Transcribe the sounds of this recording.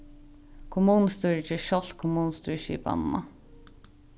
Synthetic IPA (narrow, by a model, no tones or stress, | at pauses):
kʰʊmuːn̩st̪ʉːɹt͡ʃəʃɔlt̪kʰʊmuːnst̪ʉːɹʃḭːpɑ̰nmɑ̰